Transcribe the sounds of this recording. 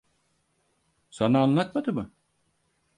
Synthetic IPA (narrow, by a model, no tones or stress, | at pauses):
sanaːnlˠat̪mad̪ɯmɯ